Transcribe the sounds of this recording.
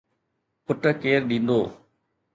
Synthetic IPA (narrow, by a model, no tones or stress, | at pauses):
pʊʈəkeːɾɗĩːnd̪oː